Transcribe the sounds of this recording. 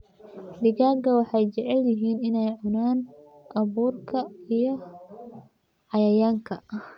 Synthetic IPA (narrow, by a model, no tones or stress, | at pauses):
ɖɪɣaːɡɐwɑħɑjt͡ʃɛʕɛljɪɦiːnɪnɛjʕʊnaːn | ʔɐβuːrkʰɐijɞ | ʕɑjɐjaːŋkʰɐ